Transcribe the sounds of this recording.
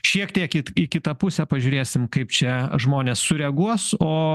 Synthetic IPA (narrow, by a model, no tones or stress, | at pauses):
ʃʲiɛkt̪ʲiɛkɪɪkʲɪt̪ɐpʊsʲɛpɐʒʲʊːɾʲeːsʲɪmkɐɪpt͡ʃʲɛʒmoːnʲeːsːʊɾʲɛɡuɔsoː